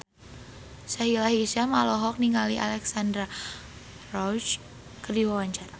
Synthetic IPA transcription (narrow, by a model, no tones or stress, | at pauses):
saɦilaɦisamalɔɦɔk̚niŋɡaliʔa̰lɛksandɾa | rɔt͡ʃ | kərdiwawaɲt͡ʃara